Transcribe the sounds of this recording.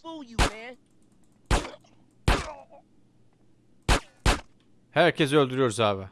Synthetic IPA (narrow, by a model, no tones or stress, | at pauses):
j | hæɾcʰesølʲd̪yɾyjo̞ɾzaːvɛ